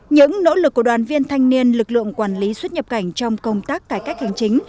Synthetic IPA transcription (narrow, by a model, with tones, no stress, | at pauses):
ɲɨ̰˧˥ŋno̰˧˥lɨ˨k̚kːu˧˩ɗwaː˨˩nvi˧ənt̪ʰa˧jŋ̟ni˧ənlɨ˨˩k̚lɨ̰˧˨əŋkwaː˧˩nli˨˦swə˦˥t̚ɲə˨˩p̚ka˧˩jŋ̟t͡ɕɔ˧wŋ͡mkə˧wŋ͡mt̪aː˦˥kːaː˧˩jkaː˦˥k̚ha˨˩jŋ̟t͡ɕï˨˦ŋ̟